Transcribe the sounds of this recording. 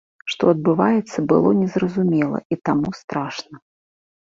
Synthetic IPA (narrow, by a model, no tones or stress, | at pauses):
ʂt̪ɔɐd̪bɨvajɛt̪sːɐbɨ̰lˠɔnʲɛzrɐzumʲɛlˠɐ̰ʔit̪amust̪ɾaʂnɐ